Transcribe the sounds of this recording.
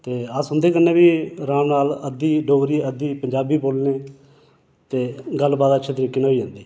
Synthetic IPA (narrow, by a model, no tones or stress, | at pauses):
t̪eːəsʊnd̪eːkənːẽːbiːɾãːnaːləd̪iːɖoːɡɾiːəd̪iːpəɲd͡ʒaːbiːpoːlneː | t̪eːɡəlbaːd̪ətːʃʰeːt̪əɾiːkeːnaːiːãːnd̪iː